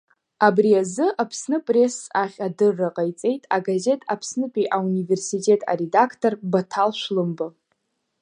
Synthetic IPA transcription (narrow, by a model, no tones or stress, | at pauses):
abriazɨʔapʰsnɨpʼre̞saχʲadɨrːaqʼajt͡sʼe̞jtʼaɡaze̞tʼa̰pʰsnɨpʼiʔaunive̞rsitʼe̞tʰʼa̰ɾe̞dakʰtʰʼo̞rbatʰalʃʷlɨmbɨ